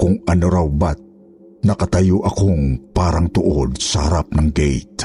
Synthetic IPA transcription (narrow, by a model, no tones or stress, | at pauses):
kʊŋɐnoɾawbat̪̚ | nɐkɐt̪ɐjoʔɐkoŋpaːɾaŋt̪ʊʔod̪̚sɐhɐɾap̚nɐŋɡɛ̰jt̪̚